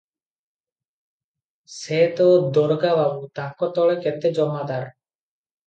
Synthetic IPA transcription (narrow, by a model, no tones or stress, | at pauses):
sɛt̪ɔd̪ɔɾɡababut̪akɔt̪ɔɭɛkɛt̪ɛd͡ʒɔmad̪aɾ